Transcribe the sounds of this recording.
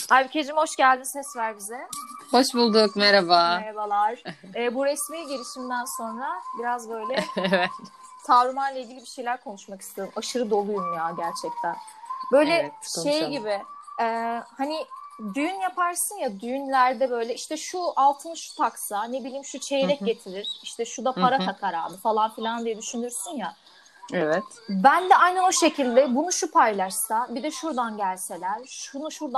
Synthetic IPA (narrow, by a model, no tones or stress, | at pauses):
hajbicʰed͡ʒimho̞ʃɟælʲd̪insɛsvæɾbizɛho̞ʃbulˠd̪ukmeɾabameɾabalˠaɾ̥ | ɛːbuɾɛsmejɟe̞lʲiʃimd̪ænso̞nɾabiɾazbø̞jlʲɛvɛt̪ | t̪ʰavɾɯmanlˠaiːɟʲilʲibiʃe̞jlʲæɾkʰo̞nuʃmakɯ̥st̪ʰed̪ɯmaʃɯɾɯd̪o̞lˠujumjaːɟæɾt͡ʃʰɛc̚t̪ʰæn | bø̞jlʲɛʃejɟibɪɛːhanid̪yjynjapʰaɾsɯnjad̪yjynlʲæɾd̪ɛbø̞jlʲɛiʃt̪ɛʃualˠt̪ʰɯnʃu̥t̪ʰaksane̞bilʲiːmʃut͡ʃʰe̞jɾɛc̚ɟe̞t̪ʰiɾiɾ̥iʃt̪ʰɛʃud̪apʰaɾat̪ʰakʰaɾa̰ːbɯfalˠanfilʲand̪ijɛd̪yʃynyɾsynja | ɛvɛt̪bænd̪ɛajnao̞ʃe̞cʰilʲd̪ɛbunuʃupʰajlˠaʃsabid̪ɛʃuɾd̪anɟælʲse̞lʲæɾ̥ʃunuʃuɾd̪